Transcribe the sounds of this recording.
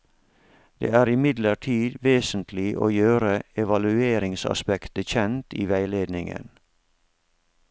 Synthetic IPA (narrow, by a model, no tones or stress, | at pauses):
d̪̥ḛːæːɾɪmɪd̪ləʈʰiːd̪ʋeːsən̩t̪ʰlɪʔo̰ːjøːɾəɛʋɑlʉeːɾɪŋsɑ̰spɛkt̪əçɛnt̪ḭːʋæɪleːd̪nɪŋə̰n